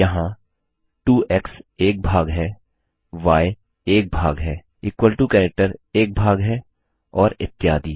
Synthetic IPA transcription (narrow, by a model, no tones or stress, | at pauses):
jɐɦã | ʈuːɛkseːk̚bʱaːɡɦɛː | ʋaːj | eːk̚bʱaːɡɦɛː | ɪːkwəlʈukɛːɾɛk̚ʈəɾeːk̚bʱaːɡɦɛː | ɔːɾɪ̰t̪ːɪjaːd̪iː